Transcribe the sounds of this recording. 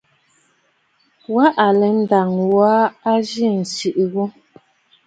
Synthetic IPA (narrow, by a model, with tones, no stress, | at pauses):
wa˦ʔa˨lɛ˨˦n̩˦da˨ŋwa˦a˦d͡ʒi˦˨n̩˨si˨ʔi˨ɣu˦